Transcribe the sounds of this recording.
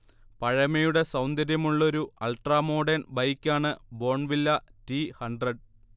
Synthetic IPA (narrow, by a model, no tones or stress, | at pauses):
pɐɻɐmɐjuɽe̞sɐwnd̪ɐɾjɐmuɭːo̞ɾuɐlʈraːmo̞ːɖɐnbɐjkʲːaːɳɨbo̞ːɳʋilːɐtihɐɳɖrɐɖ